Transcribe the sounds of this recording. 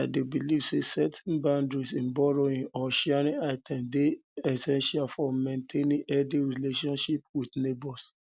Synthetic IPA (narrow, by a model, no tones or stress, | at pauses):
aɪdebilivsesɛtʰɛ̃nbãndɹisĩnbɔɹoĩɔʃɛɾĩaɪtʰɛ̃mdeɛsɛ̃nʃialfɔmẽntʰẽnĩʔɛdiɹileʃɔ̃nʃip̚widnebɔs